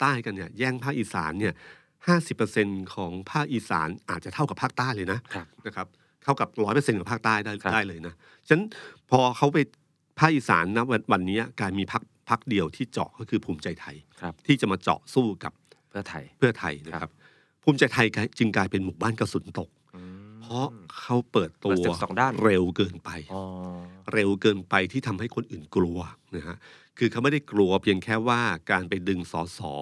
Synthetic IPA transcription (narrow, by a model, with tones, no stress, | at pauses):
t̪aː˥˩jka˧nːi˥˩ɐjɛː˥˩ŋpʰaː˥˩k̚ʔiː˨˩sa̰ː˩˦nːi˥˩ɐ | haː˥˩si˨˩pːə˧se˧nkʰɔː˩˦ŋpʰaː˥˩k̚ʔiː˧sa̰ː˩˦nʔaː˨˩t̪̚t͡ɕa˨˩t̪ʰa˥˩wka˨˩pʰaː˥˩k̚t̪aː˥˩jlɤː˧jna˦˥ʔʰna˦˥kʰa˦˥p̚ | t̪ʰa˥˩wka˨˩p̚ɾɔː˦˥jpəː˧se˧nkɔː˨˩pʰaː˥˩k̚t̪aː˥˩ja˥˩daː˥˩jlɤː˧jna˦˥ | t͡ɕʰa˦˥npʰɔː˧kʰa˦˥wpa˧j | pʰaː˥˩k̚ʔiː˨˩sa̰ː˩˦nːa˦˥a˧wa˧nːiː˦˥ɐ˨klaː˧jmiː˧pʰa˦˥k̚pʰa˦˥k̚di˧əwt̪ʰiː˥˩t͡ɕɔ̰˨˩kɔː˥˩kʰɯː˧pʰuː˧mt͡ɕa˧jt̪ʰa˧j | t̪ʰiː˥˩t͡ɕa˨˩maː˧t͡ɕɔ̰˨˩ʔsuː˥˩ka̰˨˩p̚ʰ | ɐt̪ʰjpʰːɯ˥˩ɐt̪ʰa̰˧jna˦˥kʰa˦˥p̚ | pʰuː˧˥mt͡ɕa˧jt̪ʰa˧jkaː˧jt͡ɕɯ˧ŋklaː˧jpe˧nmuː˨˩baː˥˩nka˧suː˩˦nt̪o˨˩k̚pʰɔ˦˥kʰa˦˥wpɤː˨˩t̪ːu˧˩˧ɐɔ˨˩daː˥˩ɾe˧wkɤː˧npa˧jɾe˧wkɤː˧npa˧jt̪ʰiː˥˩t̪ʰa˧mha˥˩jkʰo˧nʔɯː˨˩nklu˧ɐna˦˥ha˦˥ | kʰɯː˧kʰa˥wm˥˩da˥˩jklu˧ɐpʰi˧əŋkʰɛː˥˩waː˥˩kaː˧npa˧jdɯ˧ŋsɔː˨˩˦sɔ̰ː˩˦